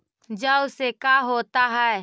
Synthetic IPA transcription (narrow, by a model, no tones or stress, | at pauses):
d͡ʒəʊsekaɦoːt̪aɦɛ